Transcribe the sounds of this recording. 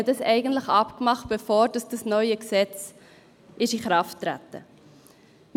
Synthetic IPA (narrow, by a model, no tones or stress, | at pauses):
ədɑsɛɪɡən̩tləχɑpkmɑχt̚b̥əfoːɾd̥ɑsd̥ɑsnœʏəksɛt͡s | ʔɪʃiχɾɑftːɾæ̰tə̰ | m